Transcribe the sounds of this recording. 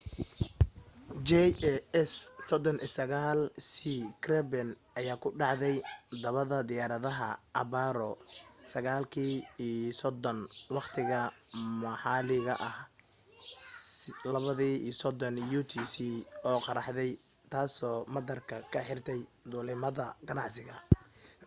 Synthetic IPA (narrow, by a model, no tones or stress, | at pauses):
d͡ʒɛɛɛssɔd̪ɔnʔisɐɣaːlsiːkʰrɛbɛnʔɐjaːkʰʊɖɑʕðɛjd̪ɐβɐðɐd̪ɪjaːɾɐðɐɦɐ̰ʔɐ̰βaːɾɔsɐɣaːlkʰiːisɔd̪ɔnwɑqt̪ʰɪɣɐmɐħɑːlɪɣɐʔɐh | lɐβɐðiːḭːsɔd̪ɔnjuːt̪ʰiːsiːɔːqɑɾɑħðɛj | t̪ʰaːsɔːmɐd̪ɐrkʰɐkʰɐħɪrt̪ʰɛjd̪ʊːlɪmɐðɐɡɐnɑʕsɪɣɐ